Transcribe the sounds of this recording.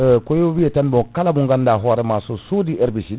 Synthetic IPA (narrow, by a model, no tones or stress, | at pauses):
kɔjowijɛtanbɔkalabuŋɡandaɦɔɾɛmasosodiɛɾbisi